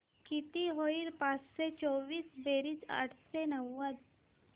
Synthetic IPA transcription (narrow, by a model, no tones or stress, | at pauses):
kit̪iɦoiɾpasset͡ʃoʋiːsbeːɾit͡ʃa̰ʈʰsenəwːəd̪